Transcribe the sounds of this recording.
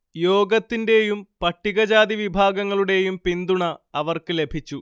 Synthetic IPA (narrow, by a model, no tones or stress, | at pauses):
jo̞ːɡɐt̪ːinde̞jumpɐʈːiɣɐd͡ʑaːd̪iʋibʱaːɡɐŋːɐɭuɽe̞jumpind̪uɳɐɐʋɐrkɨle̞bʱit͡ɕːu